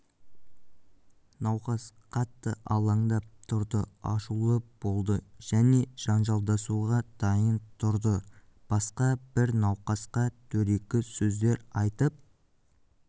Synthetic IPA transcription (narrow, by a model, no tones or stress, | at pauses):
nɑwqɑsqʰɑt̪ːəʔɑlˠɑɴd̪ɑp̚t̪ʰʊɾd̪əɑ̰ʃulˠəb̥o̞lˠd̪əʒ̥æne̞ʒ̥ɑnʒɑlˠd̪ɑsuʁɑd̪̥ɑjənt̪ʰʊɾd̪ə | b̥ɑsqɑbɪɾnɑwqɑsqɑt̪ʰɵɾe̞kʲɪsɵzd̪e̞ɾɑjt̪əp̚